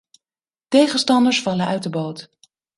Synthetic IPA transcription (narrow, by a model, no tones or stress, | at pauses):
tejχəstɑndəɹsfɑlənœɥtdəbowt